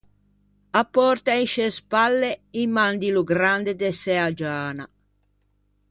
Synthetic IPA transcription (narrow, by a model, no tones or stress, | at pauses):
apːɔrt̪ainʃespalːeimːand̪iluɡɾand̪ed̪ɛsɛad͡ʒaːna̰